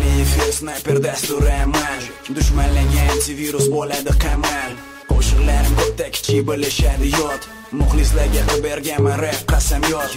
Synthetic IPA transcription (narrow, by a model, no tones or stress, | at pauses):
lɪefesnajpeɾd̪ast̪ʊɾamand̪ʊʃmanlaɡʲaːnt̪ɪviɾʊsbolad̪ɪqʰɑman | qʰoʃɨʁlaɾɪmkʰot̪ːakʲʰɪ̥t͡ʃʰɪbɪlɪʃad̪ɪjɔt̪ | mʊχlˠɪslaɾɡʲaqʰɨbeɾɡʲanmanɾaqʰɑsamjɔt̪